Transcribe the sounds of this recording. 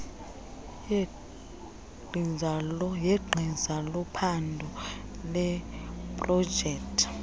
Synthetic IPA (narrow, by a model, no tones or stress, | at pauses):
jɛɡ͡ǃʱizalɔpʰandʱɔlɛpʼrɔ̥d͡ʒʱɛːktʼʰ